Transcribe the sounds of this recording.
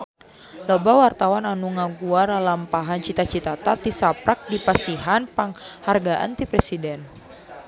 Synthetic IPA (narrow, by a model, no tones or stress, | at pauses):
lɔbawart̪awananuŋaɡuaralampaɦant͡ʃit̪at͡ʃit̪at̪at̪isapɾak̚dipasiɦanpaŋharɡaʔa̰nt̪ipɾɛsidɛn